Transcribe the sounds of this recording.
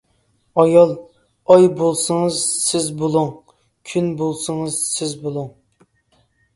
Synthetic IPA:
ɑjɑlˠ | ɑjbolˠsɨŋɨzsɪzbolˠuŋ | kʲʰynbolˠsɨŋɨz̥sɪzbolˠuŋ

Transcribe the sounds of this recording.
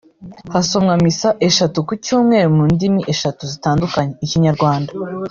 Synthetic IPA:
haso̞mŋamisaʔe̞ʃatukucuːmŋe̞ɾumundimiʔe̞ʃatuzitaːndukaɲe̞iciɲaɾɡwaːnda

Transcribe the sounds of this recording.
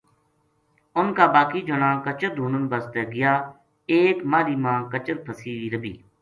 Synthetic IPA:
ʊnkaːbaːkiːd͡ʒʊnãːkət͡ʃəɾd̪ʱuːnənbəst̪eːɡɪjaː | eːkmaːɾiːmãːkət͡ʃəɾpʰəsiːʋiːɾəbḭː

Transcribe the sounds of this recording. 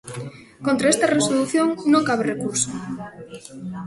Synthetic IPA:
kõnt̪ɾaest̪ɐresoluθjoŋnõŋkaβ̞erekuɾso

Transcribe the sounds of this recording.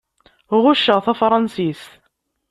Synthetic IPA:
ʁʊʃːəʁθæfɾˤɑnsis

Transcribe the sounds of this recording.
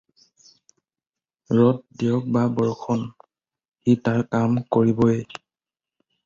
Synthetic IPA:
ɹɔt̚dijɔk̚babɔɹkʰɔn | xitaɹkamkoɹibɔe

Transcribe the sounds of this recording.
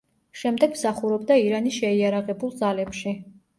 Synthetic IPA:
ʃɛmd̪ɛɡmsaχuɾɔb̚d̪aiɾaniʃɛiaɾaʁɛbulˠd̪zalɛpʃi

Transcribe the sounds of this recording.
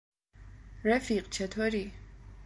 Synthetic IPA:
ɾɛfiqʼt͡ʃʰɛt̪ʰwɛɾi

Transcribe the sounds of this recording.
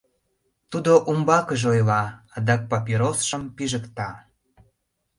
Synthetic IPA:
t̪ud̪oʔumbɑkəʒeojlɑɑd̪ɑk̚pɑpiɾosʃəmpiʒəkt̪ɑ

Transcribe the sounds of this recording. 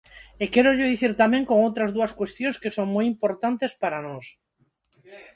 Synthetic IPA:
ekeɾoʎeðiθiɾt̪amẽŋkoŋowt̪ɾazðuaskwest̪jõŋskesoŋmojimpoɾt̪ant̪espaɾanos

